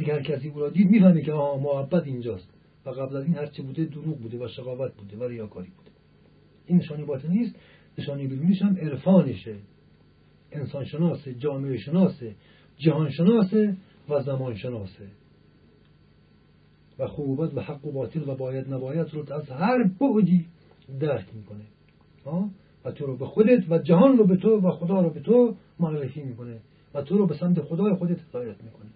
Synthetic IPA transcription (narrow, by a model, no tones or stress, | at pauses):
t̪iːkehæɾkʰæs̬iːuːɾɒːd̪iːd̪miːfænmikʲeɒːhɒːmohæbːæt̪ind͡ʒɒːst̪ | væɣæblæziːnhæɾt͡ʃʰebuːd̪ed̪oɾuːɡ̚buːd̪evæʃeɣɒːvæt̪̚buːd̪evæɾejɒːkʰɒːɾiːb̥uːd̪e | ʔiːnːeʃɒːnijbɒːt̪ʰelniːst̪ | neʃɒːnijbed̪uːniʃhæmeɾfɒːneʃe | ensɒːnʃenɒːsed͡ʒɒːmeeʃenɒːse | d͡ʒæhɒːnʃenɒːse | vazamɔːnʃenɔːse | vaxuːbat̪vahaqːobɒːt̪ʰɪlvabɔːjad̪nabɔːjat̪ɾot̪ʰazhaɾboʔd̪i | d̪aɾkmiːkone | hɔː | vat̪ʰoɾɔːbexod̪et̪væd͡ʒaɦɔːnɾɔbet̪ʰovaxod̪ɑːɾɔbet̪ʰo | moarːefimiːkone | vat̪ʰoɾɔːbesamt̪exod̪ɑːjexod̪et̪hed̪ɑːjat̪miːkʰone